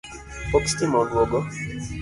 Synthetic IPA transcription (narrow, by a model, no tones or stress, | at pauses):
okstimɔnwɔɡɔ